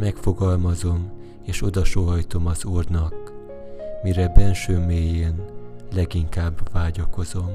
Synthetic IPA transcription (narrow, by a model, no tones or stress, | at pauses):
mɛkfo̞ɡɒlmɒzo̞m | eːʃo̞d̪ɒʃoːɦɒjt̪o̞mɒzuːrnɒk | miɾɛbɛlʃøːmeːjeːnlɛɡiŋkaːbʋaːɟɒko̞zo̞m